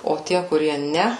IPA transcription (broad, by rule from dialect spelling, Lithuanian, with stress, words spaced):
oː ˈtʲiɛ kʊˈrʲiɛ ˈnʲɛ